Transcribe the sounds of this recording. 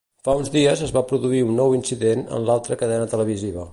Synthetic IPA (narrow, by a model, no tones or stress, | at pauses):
faunzðiəzəzβapɾuðuiunːɔwinsiðenə̰nlalˠt̪ɾəkəðɛnət̪ələβ̞iziβə